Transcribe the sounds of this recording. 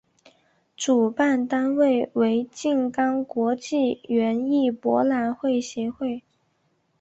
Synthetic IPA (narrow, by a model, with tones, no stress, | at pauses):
ʈ͡ʂu˨˩pa˥˩nt̪a˥nwe˥˩ɪwe˧˥ɪt͡ɕi˥˩ŋkɑ˥ŋkwɔ˧˥t͡ɕi˥˩ɥɛ˧˥ni˥˩pwɔ̰˧˥la˧˥nxwe˥˩ɪɕjɛ˧˥xwe˥˩ɪ